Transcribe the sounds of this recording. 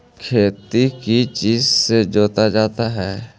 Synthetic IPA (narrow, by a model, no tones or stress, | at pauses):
kʰeːt̪ikit͡ʃiːzsed͡ʒoːt̪ad͡ʒaːt̪aɦɛː